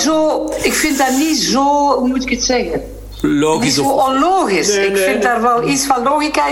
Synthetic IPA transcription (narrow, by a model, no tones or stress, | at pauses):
zoːɪkfɪnt̚danizoːmutɪkətsɛɣə | looʔɔnloːɣɪsɪkfɪntdarʋɛlisfanloːɣika